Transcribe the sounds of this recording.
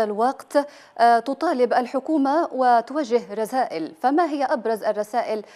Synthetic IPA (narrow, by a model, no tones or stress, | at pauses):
alwɑqt̪ | t̪ʊt̪ˤɑːlɪbʔalħʊkuːmawɪt̪ʊwaʒːɪɦɾˤɑsaːʔɪlfamaɦɪjːaʔabɾˤɑzʔarˤːɑsaːʔɪl